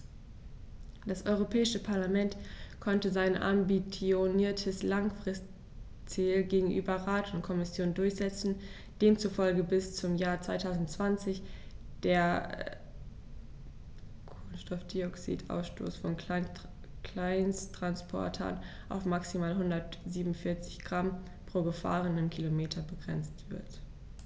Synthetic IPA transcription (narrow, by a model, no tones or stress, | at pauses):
d̥asʔɔʏʁopʰɛːɪʃəpʰaɐlamɛntkʰɔntəzaɪnʔa̰mbit͡sjoniːɐtʰəslaŋfʁ̥ɪst | t͡siːlɡeːɡŋ̩ʔy̰ːbɐʁaːtʊntkʰɔmɪsjoːndʊɐçz̥ɛt͡sn̩ | d̥eːmt͡sufɔlɡəbɪst͡sʊmjaːɐt͡sv̥aɪtʰaʊzn̩tt͡sv̥ant͡sɪç | d̥eːɐ | kʰʊnstɔfd̥iɔksḭːtʔa̰ʊsʃtʰo̰ːsfɔn | klaɪnstʁ̥anspʰɔ̰ɐtʰɐ̰n | ʔaʊfmaksimaːlɦʊndɐtz̥iːbmʊnfɪɐt͡sɪ̥çɡ̥ʁam | pʁ̥oːɡəfa̰ːʁənɪmkʰilomeːtʰɐbəɡʁɛ̰nt͡stv̥ɪɐt